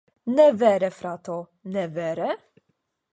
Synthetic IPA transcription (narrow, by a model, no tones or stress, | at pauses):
nɛvɛɾɛfɾat̪o | nɛvɛːɾɛ